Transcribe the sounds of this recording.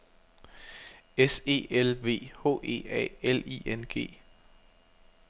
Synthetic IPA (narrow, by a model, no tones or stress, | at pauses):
ese̝̰ːelʋe̝̰ːhɔ̝̰ːe̝̰ːɛ̰ːelḭenɡ̥e̝̰ː